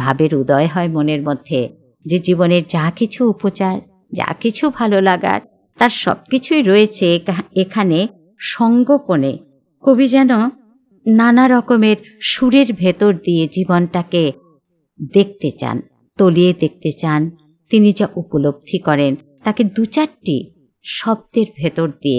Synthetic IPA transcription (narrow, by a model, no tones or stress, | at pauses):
bʱabeɾud̪ɔeɦɔemoneɾmod̪ʱːe | d͡ʑed͡ʑiboneɾd͡ʑakit͡ɕʰuupot͡ɕaɾ | d͡ʑa̰kit͡ɕʰubʱalolaɡa̰ɾ | t̪aɾʃɔ̰b̚kit͡ɕʰujɾoet͡ɕʰeekʰane | ʃɔŋɡopone | kobʱid͡ʑɛno | nanaɾɔkomeɾʃuɾeɾbʱet̪oɾd̪ied͡ʑibonʈake | d̪ek̚t̪et͡ɕa̰n | t̪olied̪ek̚t̪et͡ɕan | t̪inid͡ʑaʔupolob̚d̪ʱikɔɾen | t̪aked̪ut͡ɕaɾʈḭ | ʃɔb̚d̪eɾbʱet̪oɾd̪iḛ